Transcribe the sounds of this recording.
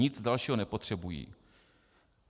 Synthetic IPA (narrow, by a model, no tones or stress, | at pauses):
ɪd͡zdalʃiːɦonɛpo̞t̪r̝̥ɛbujḭː